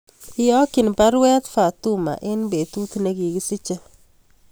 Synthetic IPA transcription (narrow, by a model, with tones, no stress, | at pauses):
ɪ˦jɔ˦kɪ˨npa˦ɾwɛ˦t̪fa˨t̪uma̰˨ʔɪ˦nbe˨t̪u˦t̪ne˦ɡi˨ɡɪ˦sɪ˦t͡ʃa˦